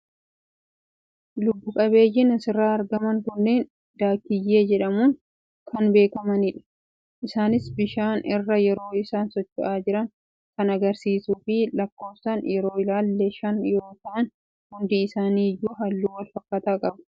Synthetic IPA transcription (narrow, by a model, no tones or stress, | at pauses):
lʊbːʊkʼɐβe̞ːjːɪnɐsɪrːaːɐɾɡɐmɐŋkʊnːe̞ːn | d̪̥aːkːɪjːe̞ːd͡ʒɛᶑɐmuːn | kʰɐnbe̞ːkɐmɐnɪᶑɐ̥ | ʔɪsaːnɪsbɪʃaːnɪrːɐjɛɾo̞ːɪsaːnsɔt͡ʃːʊʔaːd͡ʒɪɾɐŋ | kɐnɐɡɐɾsiːsuːfɪlɐkːo̞ːfsɐnjɛɾo̞ːɪlaːlːeʃɐnjo̞ːkɐʔɐn | hʊnd̪ɪːsaːniːjːuːɦɐlːuːwɐlfɐkːɐt̪aːkʼɐbɐ̥